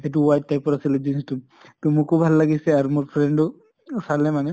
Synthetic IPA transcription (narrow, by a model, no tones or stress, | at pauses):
et̬uwajt̚tajpɔɹasiled͡ʒinistum | tumukubʱalːaɡisɛaɹmuɹpʰɹɛɳɖɔ | salɛmanɛ